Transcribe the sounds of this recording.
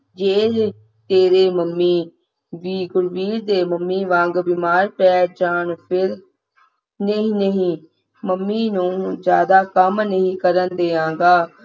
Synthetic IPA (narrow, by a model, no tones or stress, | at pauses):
d͡ʒeː | t̪eːɾeːməmːiː | ʋiːɡʊɾʋiːɾd̪eːməmːiːʋãːŋɡbimaːɾpɛːd͡ʒaːɳpʰɪɾ | nəɦĩːnəɦĩː | məmːiːnũːd͡ʒjaːd̪aːkəmnəɦĩːkəɾənd̪eːãːŋɡaː